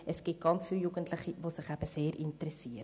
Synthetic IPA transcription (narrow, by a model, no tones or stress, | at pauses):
ʔɛsɡ̥ɪt̚ɡ̥ɑnt͡sfiːljuɡ̥əntlɪχiʋosɪχæb̥əseːɾʔɪntəɾɛsiːəɾ